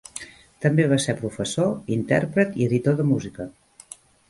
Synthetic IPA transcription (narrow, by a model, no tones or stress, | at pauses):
t̪əmbeβ̞aseɾpɾufəsoint̪ɛ̰ɾpɾət̪iəðit̪oðəmuzikə